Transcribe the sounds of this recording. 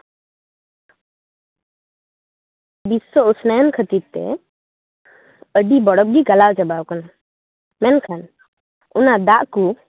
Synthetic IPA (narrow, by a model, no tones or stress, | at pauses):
bisɔusnajnkʰət̪iɾ̚t̪ɛ̰ | əɖibɔɽɔp̚ɡiɡalawt͡ʃabawkɔna | mɛnkʰan | ṵnad̪aʔku